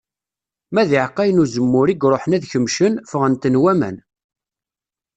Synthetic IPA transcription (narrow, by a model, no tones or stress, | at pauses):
mæðiʕqːæjənuzəmːʊɾiɡɾˤoħənæðçəmʃənfəʁənt̪ənwæmæ̰n